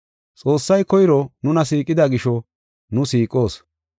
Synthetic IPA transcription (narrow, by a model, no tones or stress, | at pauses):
t͡sʼo̞ːsːɐjkɔjɪɾɔnʊnɐs̬iːkʼːɪd̪ɐɡɪʃɔ | nʊsiːkʼo̞ːs